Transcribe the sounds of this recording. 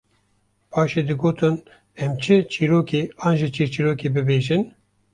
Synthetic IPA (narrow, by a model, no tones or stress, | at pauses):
pʰɑːʃeːd̪ɨɡoːt̪ʰɨn | ɛmt͡ʃʰɨt͡ʃʰiːɾoːkeːɑːnʒit͡ʃʰiɾt͡ʃʰiːɾoːkeːbɨbeːʒɪn